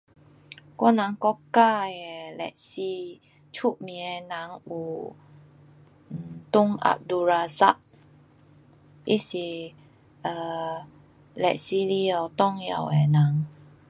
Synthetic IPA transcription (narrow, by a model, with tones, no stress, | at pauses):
kɔ˦nã˨˦ŋkɔ˦ka˥˧ɛ˨lɛ̰˨ʔsi˧ | t͡ʃʰu˦ʔmĩ˨˦ɛ˧nã˨˦ŋu˨˩˨ | t̪ʊ˦ŋʔa̰˨p̚du˧ɾa˧za˦˨p̚ | ʔi˦si˨ | ʔə˧˨ | lɛ̰˨ʔsi˧li˧ə˨t̪ɔ˦˧ŋja̰˨wɛ˨nã˨˦ŋ